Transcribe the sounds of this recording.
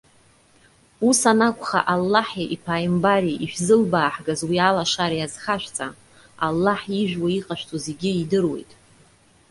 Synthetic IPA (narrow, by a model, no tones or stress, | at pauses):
usanakʷʰʼχa̰ʔalːaħjaʔipʰaːjimbaɾiʔiʃᶣzɨlbaːħɡazwialaʂaɾijazχaʃᶣʷt͡sʼa̰ | alːaħiʒᶣwaiqʼaʃᶣʷt͡sʰʼozeɡʲɪidɨrwe̞̰jtʼ